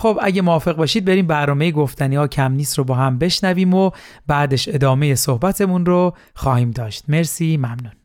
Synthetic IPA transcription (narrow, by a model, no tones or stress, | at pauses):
xobʔæ̰ɟemoːfe̞ɣbɒːʃiːd̪̚beɾiːmbæɾnɒːme̞jeɡo̞ft̪ʰæniɒːcʰæmniːst̪ɾobɒːhæmbe̞ʃnæviːmobæːd̪eʃe̞d̪ɒːme̞je̞sohbæt̪ʰe̞munro | xɒːhiːmd̪ɒːʃt̪me̞ɾsiːmæmnun